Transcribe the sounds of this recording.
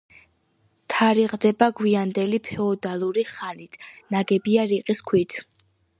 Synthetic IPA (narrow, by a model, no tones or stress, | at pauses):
t̪ʰaɾiʁd̪ɛbaɡwiand̪ɛlipʰɛɔd̪alˠuɾiχanit̪ʰnaɡɛbiaɾiqʼiskʰwit̪ʰ